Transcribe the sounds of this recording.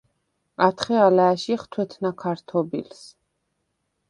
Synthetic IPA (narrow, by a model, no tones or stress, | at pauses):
at̪ʰχɛalɛːʃiχt̪ʰwɛt̪ʰnakʰaɾt̪ʰɔbḭls